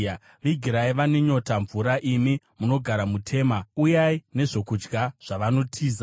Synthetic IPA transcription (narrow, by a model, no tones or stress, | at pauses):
ʋiɡʱiɾaiʋaneɲo̞taɱvuɾaʔimi | muno̞ɡʱaɾamutʰe̞ːmaujaine̞ʐo̞kud͡ʒɡaʐ̥aʋano̞tʰiːza